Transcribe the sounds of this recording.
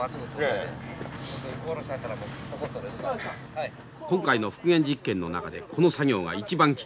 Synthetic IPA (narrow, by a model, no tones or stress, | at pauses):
asɡot̪o | ot̪kooɾoɕinat̪ːaɾamot̪ːokot̪ːod̪es | kõ̞ŋkaino̞ɸɯ̟̥kɯ̟ẽ̞ɲ̟d͡ʑikːẽ̞nːo̞na̰kad̪e̞kʰo̞no̞saɡʲo̞ːɡa̰it͡ɕibãŋkʲi̥